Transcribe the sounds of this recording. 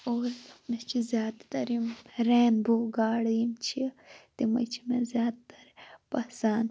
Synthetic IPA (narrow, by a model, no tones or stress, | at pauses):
oːɾmet͡ʃʰizjaːd̪t̪ɐɾimɾeːnboɡaːɽjimt͡ʃʰit̪imɐ̰t͡ʃʰi̥mezjaːd̪t̪ɐ̥ɾpɐsaːn